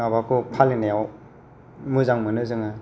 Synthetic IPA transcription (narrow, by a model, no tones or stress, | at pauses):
abakʰupʰalinajaw | mɯzaŋmɯnɯzɯŋa